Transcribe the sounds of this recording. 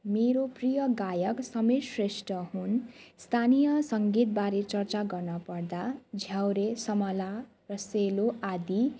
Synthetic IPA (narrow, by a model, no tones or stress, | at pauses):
meɾoprijʌɡajʌksʌmesresʈʌɦunst̪ʰanijʌsʌŋɡit̪̚baɾet͡sʌrt͡saɡʌrnʌpʌrd̪ad͡zʱjawɾesʌmʌla | rʌseloʔad̪i